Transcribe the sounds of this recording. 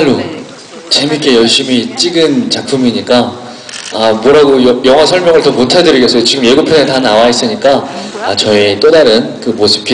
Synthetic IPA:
ɭːo | t͡ɕemik͈ʰe̞jʌɭɕ͈imit͡ɕ͈iɡɯnt͡ɕak̚pʰumiɲik͈a | amwʌɾaɡojʌjʌŋɦwasʰʌɭmjʌŋɯɭtʌmotʰadɯɾiɡes͈ʌjot͡ɕiɡɯmje̞ɡopʰjʌnɯntanawais͈ɯɲik͈aat͡ɕʌet͈odaɾɯnkɯmosʰɯ̥p̚k͈i

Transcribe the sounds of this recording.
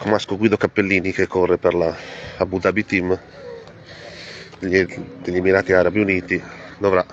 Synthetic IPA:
komaskoɡwiːd̪okapːelːiːnikekʰːorːepeɾlaabud̪abit̪im | d̪eʎːimiɾaːt̪iaːɾabiuniːt̪id̪ovɾa

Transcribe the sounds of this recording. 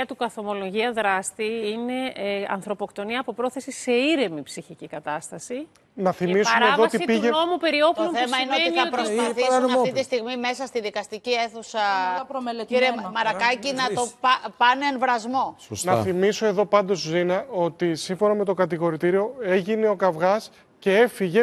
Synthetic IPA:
ɐt̪ukɐθo̞mo̞lo̞ʝiɐðɾɐst̪iine̞ɐ̰nθɾo̞po̞kt̪o̞niɐːpo̞pɾo̞θe̞sise̞iɾe̞mipsiçicikɐt̪ɐst̪ɐsi | nɐθimisuɐmɾeeðost̪isitpiʝeno̞mupe̞ɾio̞ploesmɐineoeiniɐotɾθiunɐft̪it̪ist̪iɣmime̞sɐst̪iðikɐst̪icie̞θusɐ | iɾemɐɾɐkɐcinɐt̪opɐneenvɾɐzmo̞snɐθimiso̞e̞ðo̞pɐnd̪o̞zzinɐo̞t̪isiɱfo̞nɐme̞t̪o̞kɐt̪iɣo̞ɾit̪iɾio̞e̞ʝineo̞kɐvɣɐs | ce̞efiʝe̞

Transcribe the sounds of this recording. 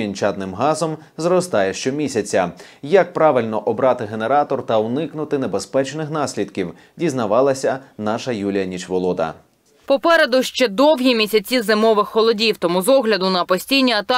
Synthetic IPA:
inʲt͡ʃɑt̪nɪmɦɑzɔm | zrɔst̪ɑjɛʃt͡ʃɔmʲisʲɐt͡sʲɐ | jɐk̚pɾɑʋɪlʲnɔʔɔbɾɑt̪ɪɦeneɾɑt̪ɔrt̪ɐʊnɪknʊt̪ɪnebespɛt͡ʃnɪxn̪ɑsʲlʲid̪kʲiw | dʲiznɐʋɑlˠɐsʲɐnɑʃɐjulʲijɐnʲit͡ʃʋɔlˠɔd̪ɐ̰ | pɔpɛɾed̪ʊʃt͡ʃɛd̪ɔwɦʲimʲisʲɐt͡sʲizɪmɔʋɪxːɔlˠɔdʲiwt̪ɔmuzɔɦlʲɐd̪ʊnɐpɔsʲtʲijnʲiɐt̪ɑ

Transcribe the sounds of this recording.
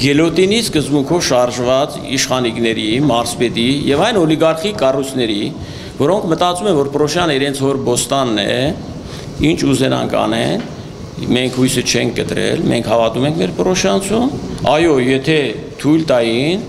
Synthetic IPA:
ɡɛlɔt̪iniskəzbuŋkʰɔvʃɑɾʒvɑt͡s | iʃχɑniknɛɾimɑɾspɛt̪ijɛvɑjnɔliɡɑɾχikɑrujt͡sʰnɛɾi | vɔɾɔŋkʰmət̪ɑt͡sumɛvɔɾpɾɔʃjɑnəiɾɛnt͡sʰhɔɾbɔst̪ɑnːɛ̰ | int͡ʃʰuzɛnɑ̰ŋkʰɑ̰nɛ̰n | mɛŋkʰhujsət͡ʃʰɛŋkʰkət̪ɾɛ̰lmɛ̰ŋkʰhɑvɑt̪umɛŋkʰmɛɾpɾɔʃjɑnt͡sʰumɑjɔjɛt̪ʰɛ | t̪ʰujlt̪ɑjin

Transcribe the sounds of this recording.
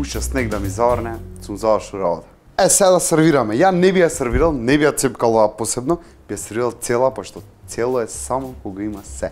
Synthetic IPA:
ut͡ʃast̪nɛkd̪amizavɾnɛsumzavɾʃulˠɾabɔ̰t̪ḁ | ɛsɛad̪asɛɾviɾamɛjanɛbijasɛɾviɾalˠnɛbijat̪sɛpkalˠovaposɛbnɔ | b̥ijasɛɾviɾalˠt̪sɛlˠapoʃt̪ɔt̪sɛlˠɔɛsamɔkoɡaimasɛ

